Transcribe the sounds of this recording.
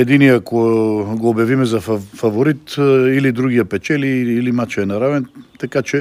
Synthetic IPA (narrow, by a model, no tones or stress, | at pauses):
ɛd̪iniakoɡoːbjɐvimɛzɐfɐvoɾit̪ilid̪ɾuɡ̟ijəpɛt͡ʃɛliːlimat͡ʃːnɐɾavɛnt̪ɐkat͡ʃɛ